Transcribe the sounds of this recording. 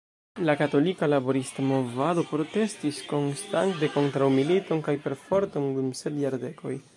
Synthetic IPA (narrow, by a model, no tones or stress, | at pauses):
lakato̞likalabo̞ɾistamo̞vado̞pɾo̞te̞stisko̞nstantde̞ko̞ntɾawmilito̞nkajpe̞ɾfo̞ɾto̞ndumse̞tjaɾde̞ko̞j